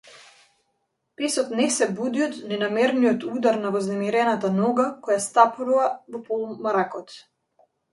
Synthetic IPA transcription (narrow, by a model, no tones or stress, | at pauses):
pɛsɔt̪nɛsɛbud̪iɔt̪nɛnamɛɾnijɔt̪ud̪aɾnavɔznɛmiɾɛnat̪anɔɡakɔjast̪apɾuvavɔpɔlˠumaɾakɔt̪